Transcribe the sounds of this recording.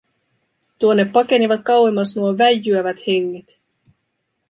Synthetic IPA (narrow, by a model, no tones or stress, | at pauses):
t̪uonːepːɑke̞niʋɑt̪kɑwemːɑsnuoʋæjːyæʋæt̪he̞ŋːet̪